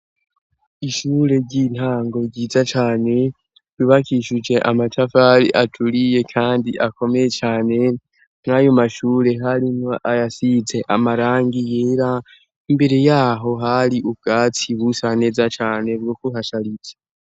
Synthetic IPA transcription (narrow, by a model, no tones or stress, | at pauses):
iʃuɾe̞ɾɟin̥haːŋɡo̞ɟiːzat͡ʃaːne̞ | iβakiʃud͡ʒe̞ʔamatʰafaɾiʔatʰuɾije̞kʰaːndiʔako̞me̞jet͡ʃaːne̞ | ŋ̥ajomaʃuːɾe̞ɦaɾino̞ʔajasize̞ʔamaɾaːŋɡijeːɾa | imbe̞ɾe̞jaːɦo̞ɦaɾiʔub̚ɡ̥aːt͡siβusane̞ːzat͡ʃaːne̞bɡokuɦaʃaɾit͡se̥